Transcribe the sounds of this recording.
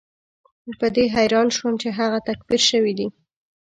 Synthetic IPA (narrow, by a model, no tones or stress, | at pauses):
əpəd̪eɦajɾɑnʃwəmt͡ʃeɦaɣat̪akbiɾʃəwid̪i